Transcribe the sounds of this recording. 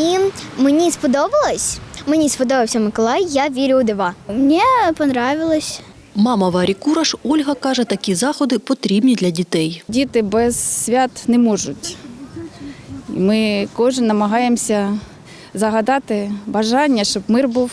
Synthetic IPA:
imenʲispɔd̪ɔbɐlˠɔsʲmenʲispɔd̪ɔbɪwsʲɐmɪkɔlˠɑjːaʋʲiɾʲʊd̪ɪʋɑmnʲipɔnɾɑʋʲɪlˠɔsʲ | mɑmɐʋɑɾʲikuɾɐʂɔlʲɦɐkɑʐɛt̪ɐkʲizɑxɔd̪ɪpɔt̪ɾʲibnʲid̪lʲɐdʲit̪ɛjdʲit̪ɪbɛz̥sʲʋʲat̪nɛmɔʒʊtʲ | ḭmɪkɔʒɪnːɐmɐɦɑjemsʲɐ | zɐɦɐd̪ɑt̪ɪbɐʒɑnʲːɐʃt͡ʃɔbmɪrbuw

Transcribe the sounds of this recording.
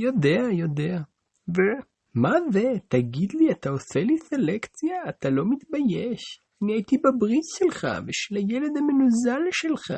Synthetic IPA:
jo̞d̪eajo̞dea | ve | mazet̪aɡid̪liat̪ao̞seliselekt͡sjaːt̪alo̞mit̪bajeʃ | aniajit̪ibabʁitʃelχa̰veʃelajeled̪amenuzalʃelχa̰

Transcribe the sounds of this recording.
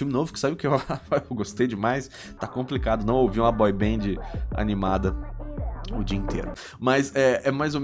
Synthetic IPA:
fũmɪnovʊkɪ̥sabɪʊkɪewhaafaɡost̪ejd͡ʒɪmajs | t̪akõmplikad̪ʊnɐ̃w̃owvĩɐbɔjbẽd͡ʒɪa̰nĩmad̪ɐ | ʊd͡ʒiɐĩt̪ʰḛɾʊ | mɐsɛɛmajzowme

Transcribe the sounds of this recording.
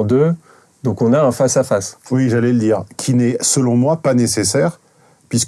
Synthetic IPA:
d̪ø | d̪ɔ̃kɔ̃naɛ̃fasafaswiʒalɛləd̪iːʁkʲʰinɛsəlɔ̃mwapanesesɛːʁ | pɥisk

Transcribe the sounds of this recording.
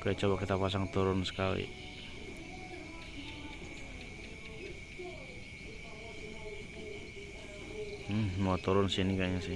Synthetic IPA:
kajat͡ʃɔbakit̪apas̬aŋt̪uɾʊnsə̥kalḭ | mat̪uɾʊnsinikaɲasi

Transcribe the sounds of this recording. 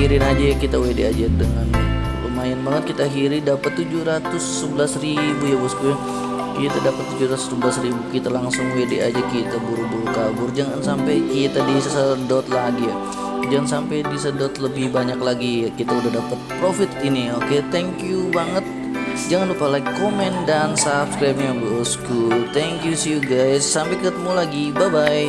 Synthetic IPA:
iɾɪnad͡ʒajkit̪awedead͡ʒadəŋan | pəmaɪnmənʊt̪̚kit̪aɦiɾɪdapat̪ːud͡ʒuhɾat̪ʊsːəbəlasribujabaskuja | kit̪adapat̪ːud͡ʒuɾat̪ʊ̥səblasribukit̪alaŋsʊŋwedead͡ʒakit̪abuɾubuɾukabʊrd͡ʒaŋansampajkit̪adisədɔt̪laɡija | d͡ʒaŋansampajdisədɔt̪ləbɪhbaɲaklaɡiakit̪audahdapət̪̚pɾofɪt̪inioket̪ɛŋkjubaŋət̪̚ | d͡ʒaŋanlupalaikomɛndansapskɾajp̚ɲabuuskult̪ɛŋkjusjuɡajsːampajkət̪əmulaɡibabaj

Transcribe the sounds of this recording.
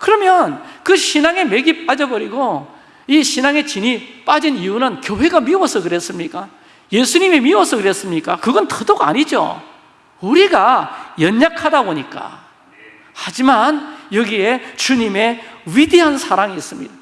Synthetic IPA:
kɯɾʌmjʌnkɯɕʰinaŋe̞me̞ɡipad͡ʑʌbʌɾiɡo | iɕʰinaŋe̞t͡ɕinip͈ad͡ʑiniunɯnkjowe̞ɡamiwʌsʰʌkɯɾe̞s͈ɯmɲik͈a | je̞sʰuɲimemiwʌsʰʌkɯɾe̞s͈ɯmɲik͈akɯɡʌntʰɯdoɡa̰ɲid͡ʑo̰ | uɾiɡajʌɲːakʰadaboɲik͈a̰ | had͡ʑimanjʌɡie̞t͡ɕuɲime̞ɥideɦansʰaɾaŋiːs͈ɯmɲḭda

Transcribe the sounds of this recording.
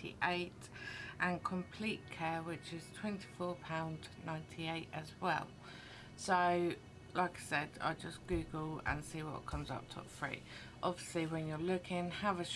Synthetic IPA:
ḭʔeɪt | ʔə̃nkʰə̃mpʰl̥iˑʔkʰɛːwɪt͡ʃɪz̥tʰw̥ɛ̃ntʰi̥fɔːpʰãʊ̃ndnãɪ̃ntʰieɪtəzwɛ̰lˠ | səʊ | lʔaɪkaɪsɛda̰ɪd͡ʒʌsɡ̥ʉːɡəlˠə̰̃nsiːwɒ̰ʔkʰʌ̃mzʌ̰p̚tʰə̰pfɹḭː | ʔɒbviəsliwə̃njəlʊkʰɪ̃ŋəvəʃ

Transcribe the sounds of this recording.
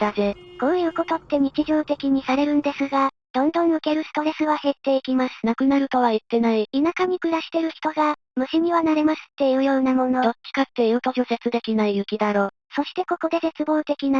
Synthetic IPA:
d̪̥aze̞ko̞ːjɯ̟ːko̞t̪o̞t̪ːe̞ɲ̟it͡ɕiʑo̞ːt̪e̞kʲiɲ̟isaɾe̞ɾɯ̟̃nd̪e̞sɨɡa | d̪̥õ̞nd̪õ̞ɰ̃ɯ̟ke̞ɾɯ̟sɨ̥t̪o̞ɾe̞sɨβahe̞t̪ːe̞ikʲimasɨ̥nakɯ̟naɾɯ̟t̪o̞β̞ait̪ːe̞naiinakaɲ̟ikɯ̟ɾaɕi̥t̪e̞ɾɯ̟çi̥t̪o̞ɡa | mɯ̟ɕiɲ̟iβanaɾe̞masɨ̥t̪ːe̞iɯ̟ːjo̞ːnamõ̞no̞d̪o̞t͡ɕːi̥kat̪ːe̞jɯ̟t̪o̞ʑo̞se̞t͡sɨd̪e̞kʲinaijɯ̟kʲid̪aɾo̞ː | so̞ɕi̥t̪e̞ko̞ko̞d̪e̞se̞t͡sɨbo̞ːt̪e̞kʲina

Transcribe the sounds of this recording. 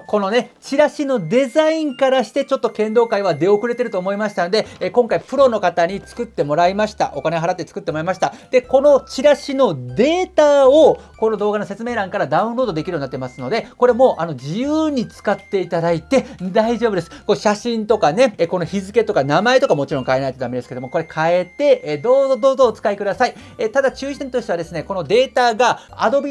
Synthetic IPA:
ko̞no̞ne̞t͡ɕiɾaɕino̞d̪e̞zaĩŋkaɾaɕi̥t̪e̞t͡ɕo̞t̪ːo̞kẽ̞nd̪o̞ːkaiβad̪e̞o̞kɯɾe̞t̪e̞ɾɯ̟t̪o̞ːmo̞imaɕi̥t̪ano̞d̪e̞kõ̞ŋkaipɯ̟ɾo̞no̞kat̪aɲ̟it͡sɨ̥kɯ̟t̪ːe̞mo̞ɾaimaɕi̥t̪a̰ʔo̞kane̞ɦaɾat̪ːe̞t͡sɨ̥kɯ̟t̪ːemo̞ɾaimaɕi̥t̪ad̪̥e̞ko̞no̞t͡ɕiɾaɕino̞d̪e̞ːt̪ao̞ | ko̞no̞d̪o̞ːɡano̞set͡sɨme̞ːɾãŋkaɾad̪aɯ̟̃nɾo̞ːd̪o̞d̪ekʲiɾɯjonat̪ːemasɨno̞d̪e̞ko̞ɾe̞mo̞ːʔano̞d͡ʑijɯːɲ̟it͡sɨ̥kat̪ːe̞it̪ad̪ait̪e̞d̪aiʑo̞ːbɯ̟d̪e̞sɨ̥koɕaɕĩnt̪o̞kane̞ko̞no̞çizɨke̞t̪o̞kanamae̞t̪o̞kamo̞t͡ɕiɾõ̞ŋkae̞nait̪et̪amed̪esɨked̪omoko̞ɾe̞kʰae̞t̪e̞d̪o̞ːzod̪oːzo̞ːt͡sɨ̥kaikɯd̪asai | et̪ad̪at͡ɕɨːi̥t̪ẽ̞nt̪o̞ɕit̪ead̪e̞sɨneko̞no̞d̪e̞ːt̪aɡa̰ːd̪o̞bʲi

